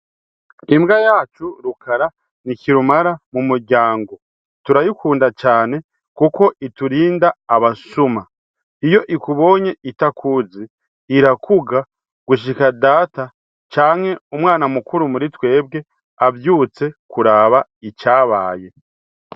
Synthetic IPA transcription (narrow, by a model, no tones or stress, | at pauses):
imɡajaːt͡ʃuɾukʰaɾa | niciɾumaɾamumuɾɟaːŋɡo̞ | tuɾajikʰuːndat͡ʃaːne̞ | kuko̞ʔituɾiːndaːβasuma | ijo̞ʔikuβo̞ːɲe̞ʔitakʰuːziː | ɾakʰuɡa | ɡ̥uʃ̬ikadaːta | t͡ʃaːŋhe̞umŋwaːnamukuɾumuɾitwe̞ːb̚ɡe̞ | avjuːt͡se̞kuɾaːβait͡ʃaːβaːje̞